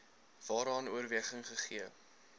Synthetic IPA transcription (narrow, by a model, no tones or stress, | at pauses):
v̥ɑːɾɑːnuərviəχəŋχəχiə